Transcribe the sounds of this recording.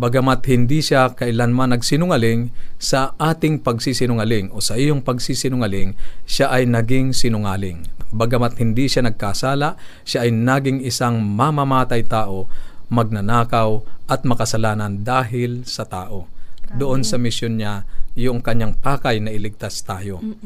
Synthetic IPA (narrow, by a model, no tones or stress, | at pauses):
bɐɡɐmat̪̚hɪnd̪iʃakɐʔɪlanmanːɐɡsɪnʊŋalɪŋsɐʔaːt̪ɪŋpɐɡsisɪnʊŋɐlɪŋo̞sɐʔijoŋpɐɡsisɪnʊŋalɪŋʃaʔɐjnɐɡɪŋsɪnʊŋaːlɪŋbɐɡɐmat̪̚hɪnd̪iʃanɐɡ̚kasaːlaʔ | ʃaʔɐjnaːɡɪŋɪsaŋmamamaːt̪ɐjt̪aːʔo̞mɐɡ̚nɐnaːkɐwʔɐt̪̚mɐkɐsɐlaːnɐnd̪aːɦɪlsɐt̪aːʔo̞d̪ʊʔo̞nsɐmɪsjonɲajʊŋkɐɲːaŋpaːkɐjnɐʔɪlɪɡ̚t̪ast̪aːjo̞